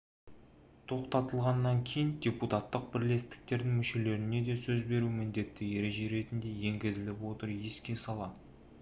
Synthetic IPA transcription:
t̪ʰo̞qt̪ɑt̪əlˠʁɑnːɑŋkʲʰe̞jɪnd̪ʲe̞put̪at̪ːəq̚bɪɾle̞st̪ɪ̥k̚t̪e̞ɾd̪ɪŋmʏʃe̞le̞ɾɪne̞d̪e̞sɵzbe̞ɾumɪnd̪e̞t̪ːɪje̞ɾe̞ʒe̞ɾe̞t̪ɪnd̪e̞je̞ŋɡʲɪzɪlɪpwo̞t̪əɾjeskʲe̞sɑlˠɑ

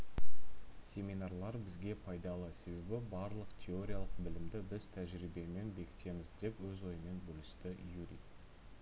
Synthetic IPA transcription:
sʲe̞minɑrlˠɑɾbɪzɡʲe̞pʰɑjd̪ɑlˠəse̞be̞bɪbɑɾlˠəqt̪ʲʰe̞o̞ɾʲijalˠəq̚bɪlɪmd̪ɪbɪz̥t̪ʰæʒɾibe̞me̞nbe̞kʲɪ̥t̪e̞mɪzd̪e̞pwɵzwo̞jəme̞nbɵlɪst̪ɪjuɾi

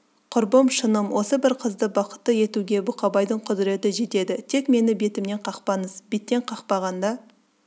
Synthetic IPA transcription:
qʰʊɾbəmʃənəmwʔo̞səbɪɾqʰəzd̪əbɑqə̥t̪ːəje̞t̪uɡʲe̞bʊqɑbɑjd̪əɴqʰʊd̪ɪɾe̞t̪ɪʒe̞t̪e̞d̪ɪt̪ʰe̞kme̞nɪbe̞t̪ɪmne̞ɴqʰɑqpɑnəzb̥e̞t̪ːe̞ɴqʰɑqpɑʁɑnd̪ɑ

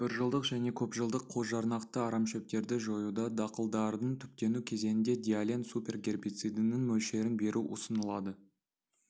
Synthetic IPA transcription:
b̥ɪɾʒəlˠd̪əqʒæne̞kʲʰɵpʒəlˠd̪əqʰːo̞zʒɑɾnɑqt̪əɑɾɑmʃep̚t̪e̞ɾd̪ɪʒo̞jud̪ɑd̪ɑqəlˠd̪ɑɾd̪əɴt̪ʰʏ̥p̚t̪e̞nukʲʰe̞ze̞nɪnd̪e̞d̪ijalʲensupʲe̞rɡʲe̞rbijt̪sɨjd̪ɪnɪŋmɵlʃe̞ɾɪnbe̞ɾʔuʔo̰sənəlˠɑd̪ə

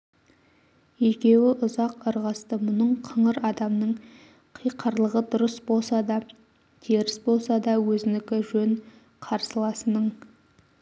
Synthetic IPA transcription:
ekʲe̞wɪʔʊzɑqəɾʁɑst̪əmʊnəɴqʰəɴəɾɑd̪ɑmnəɴ | qʰijqʰəɾlˠəʁəd̪ʊɾəsbo̞lˠsɑd̪ɑ | t̪ʰeɾɪsbo̞lˠsɑd̪ɑwɵzɪnɪkʲɪʒɵŋ | qʰɑɾsəlˠɑsənəɴ

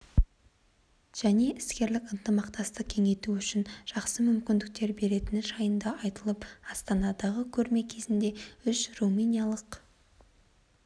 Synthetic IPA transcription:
ʒ̥æne̞ʔɪskʲe̞ɾlɪkənt̪əmɑqt̪ɑst̪əq̚kʲʰe̞ŋe̞jt̪uʏʃɪnʒ̥ɑqsəmʏmkʲɪnd̪ɪk̚t̪e̞ɾbe̞ɾe̞t̪ɪnʒɑjənd̪ɑʔɑjt̪əlˠəpɑst̪ɑnɑd̪ɑʁəkʲʰɵɾme̞kʲʰe̞zɪnd̪e̞ʏʃruminijalˠəq

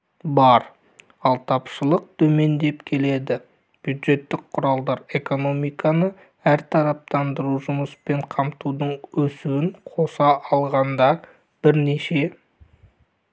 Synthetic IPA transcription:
bɑɾ | ɑlˠt̪ʰɑpʃəlˠəq̚t̪ʰɵme̞nd̪e̞pkʲʰe̞le̞d̪ɪ | b̥jud̪ʒe̞t̪ːɪk̚qʰʊɾɑlˠd̪ɑɾe̞ko̞no̞mijkɑnə | æɾt̪ʰɑɾɑp̚t̪ɑnd̪əɾuʒʊməspe̞ɴqʰɑmt̪ud̪əɴwɵsuwɪɴqʰo̞sɑʔɑlˠʁɑnd̪ɑ | b̥ɪɾneʃe̞

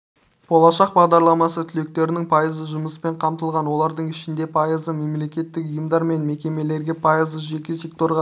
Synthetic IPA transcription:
b̥o̞lˠɑʃɑq̚bɑʁd̪ɑɾlˠɑmɑsət̪ʰʏle̞k̚t̪e̞ɾɪnɪŋpʰɑjəzəʒʊməspe̞ɴqʰɑmt̪əlˠʁɑnwo̞lˠɑɾd̪əɴɪʃɪnd̪e̞pʰɑjəzəme̞mle̞kʲe̞t̪ːɪkʊjəmd̪ɑɾme̞nme̞kʲe̞me̞le̞ɾɡʲe̞pʰɑjəzəʒe̞kʲes̬ʲe̞k̚t̪o̞ɾʁɑ

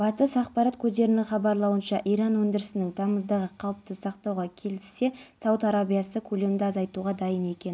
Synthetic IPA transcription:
b̥ɑt̪əsɑqpɑɾɑt̪kʲʰɵzd̪e̞ɾɪnɪŋχɑbɑɾlˠɑwənʃɑʔijɾɑnwɵnd̪ɪɾɪsɪnɪŋt̪ʰɑməzd̪ɑʁəqʰɑlˠəp̚t̪əsɑqt̪ɑwʁɑkʲʰe̞lɪse̞sɑwət̪ɑɾabijɑsəkʲʰɵle̞md̪ɪɑzɑjt̪uʁɑd̪ɑjəne̞kʲe̞n

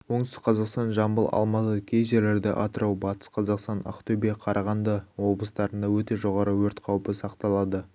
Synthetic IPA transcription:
wo̞ɴsə̥qʰɑzɑqst̪ɑnʒɑmbəlˠɑ̰lˠmɑt̪əkʲʰejʒe̞ɾle̞ɾd̪ɪ̰ʔɑ̰t̪əɾʔɑwbɑt̪ə̥sqʰɑzɑqst̪ɑnɑ̰qt̪ɵbiqʰɑɾʔɑʁɑnd̪əwo̞blˠəst̪ɑɾənd̪ɑwɵt̪e̞ʒo̞ʁɑɾəwɵɾt̪qʰɑwpəsɑqt̪ɑlˠɑd̪ə

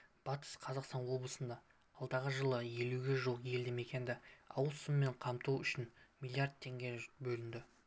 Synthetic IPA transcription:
b̥ɑt̪ə̥sqʰɑzɑqst̪ɑnwo̞blˠəsənd̪ɑ | ɑlˠd̪ɑʁəʒəlˠəje̞luɡʲe̞ʒoqje̞ld̪ɪme̞kʲe̞nd̪ɪɑ̰wəlˠsʊmːe̞ɴqʰɑmt̪uwʏʃɪnmʲilʲˠijard̪̚t̪ʰːe̞ŋɡʲe̞bɵlɪnd̪ɪ

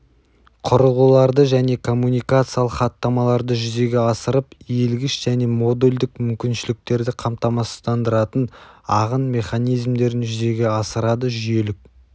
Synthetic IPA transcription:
qʰʊɾəlʁulˠɑɾd̪əʒæne̞kʰo̞mːunijkat̪sɨjalˠəqχɑt̪ːɑmɑlˠɑɾd̪əʒʏze̞ɡʲe̞ɑsəɾəpjelɡʲɪʃʒ̥æne̞mo̞d̪elʲd̪ɪkmʏmkʲɪnʃɪlɪk̚t̪e̞ɾd̪ɪqʰɑmt̪ɑmɑst̪ɑnd̪əɾɑt̪ənɑʁənme̞χɑnijzmd̪e̞ɾɪnʒʏze̞ɡʲe̞ɑsəɾɑd̪əʒʏje̞lɪk̚

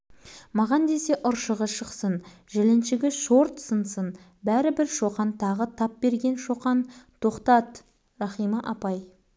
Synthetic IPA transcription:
mɑʁɑnd̪e̞se̞ʔʊɾʃəʁəʃəqsənʒelenʃɪɡʲɪʃo̞ɾt̪sənsən | bæɾɪbɪɾʃoqɑnt̪ʰɑʁət̪ʰɑp̚be̞ɾɡʲe̞nʃo̞qɑnt̪ʰo̞qt̪ɑt̪ | rɑχijməʔɑpɑj

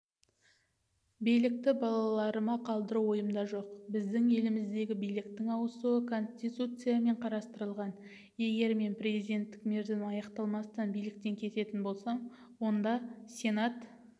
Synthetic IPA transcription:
bijlɪk̚t̪ɪbɑlˠɑlˠɑɾəmɑqʰɑlˠd̪əɾuwo̞jəmd̪ɑʒo̞qbɪzd̪ɪŋe̞lɪmɪzd̪e̞ɡʲɪbijlɪkt̪ɪŋɑwəsuəkʰo̞nʲsʲt̪ijt̪ut̪sɨjame̞ɴqʰɑɾɑst̪əɾəlˠʁɑn | je̞ɡʲe̞ɾme̞npɾʲe̞zijd̪ʲe̞nt̪ːɪ̥kme̞ɾd̪ɪnɑjɑqt̪ɑlˠmɑst̪ɑnbijlɪk̚t̪e̞ŋkʲʰe̞t̪e̞t̪ɪnbo̞lˠsɑm | wo̞nd̪ɑsʲe̞nat̪

